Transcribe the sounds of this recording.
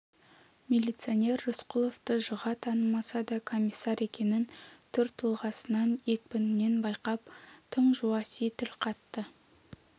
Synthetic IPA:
mʲelʲijt̪sɨonʲe̞rːʊsqʊlˠo̞ft̪əʒʊʁɑt̪ʰɑnəmɑsɑd̪ɑkʰo̞mʲisːɑɾe̞kʲe̞nɪnt̪ʰʏɾt̪ʰʊlˠʁɑsənɑnekʲbɪnɪne̞nbɑjqɑp̚t̪ʰəɴʒuɑsit̪ɪlqʰɑt̪ːə

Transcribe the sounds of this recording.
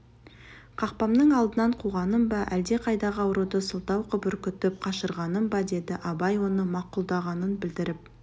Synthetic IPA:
qʰɑq̚pɑmd̪əɴɑlˠd̪ənɑɴqʰuʁɑnəmbɑʔæld̪e̞qʰɑjd̪ɑʁəɑwɾud̪əsəlˠt̪ɑwqʰʏbʏɾkʲʏt̪ʏp̚qʰɑʃəɾʁɑnəmbɑd̪e̞d̪ɪʔɑbɑjwo̞nəmɑqulˠd̪ɑʁɑnənbɪld̪ɪɾɪp̚

